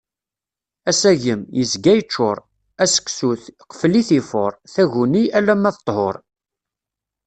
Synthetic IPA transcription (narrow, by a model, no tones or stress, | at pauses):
æsæʝəmjəzɡæjət͡ʃːʊɾˤ | æsə̥ksuθqə̥fliθifoɾˤθæʝuniælːæmːæθət̪ˤːhoɾˤ